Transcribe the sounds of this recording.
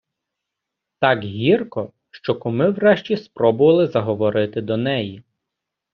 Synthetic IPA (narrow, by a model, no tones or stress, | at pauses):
t̪ɑkɦʲirkɔ | ʃt͡ʃɔkʊmɪwɾɛʃt͡ʃʲispɾɔbʊʋɐlˠɪzɐɦɔʋɔɾɪt̪ɪd̪ɔnɛji